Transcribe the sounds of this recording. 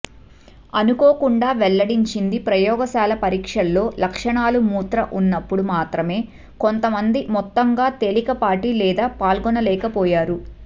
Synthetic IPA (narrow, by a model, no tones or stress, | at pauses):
ɐnukoːkuɳɖaːʋɛlːɐɽiɲt͡ʃind̪ipɾɐjɔːɡɐsaːlɐpɐɾiːkʂɐlːo̞ːlɐkʂɐɳaːlumuːt̪ɾɐʔunːɐpːuɽumaːt̪ɾɐme̞ː | kont̪ɐmɐnd̪imɔt̪ːɐŋɡaːt̪elikɐpaːʈilɛːd̪aːpaːlɡɔnɐlɛːkɐpɔːjaːɾu